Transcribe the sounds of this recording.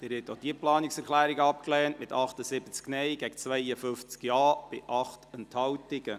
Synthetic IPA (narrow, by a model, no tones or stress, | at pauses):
d̥ɪːɾhɛtːod̥iəplɑːnɪksɛɾχlæːɾɪɡəɑp̚klɛːntmɪtɑχtəsɪbət͡sknɛjɡɛɡ̥ət͡sʋɛɪəfʏft͡skjɑːb̥ɪʔɑχtɛnthɑwtɪɡ̥ə